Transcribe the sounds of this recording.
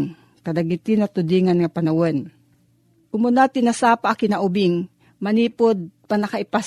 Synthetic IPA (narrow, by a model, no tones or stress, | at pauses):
ŋ | kɐd̪ɐɡɪt̪ɪnɐt̪ʊd̪iːŋɐnŋɐpɐnɐwon | kʊmʊnat̪ɪnːɐsaːpaʔakɪnaʔʊbɪŋ | mɐniːpod̪̚pɐnɐkaʔɪpas